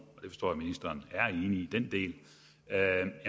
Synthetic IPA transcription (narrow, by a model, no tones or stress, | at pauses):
ɒ̽d̥e̝fɒsd̥ɒ̰ːæminisd̥ɐːnæɐe̝ːniːd̥end̥e̝̰ːl | jæ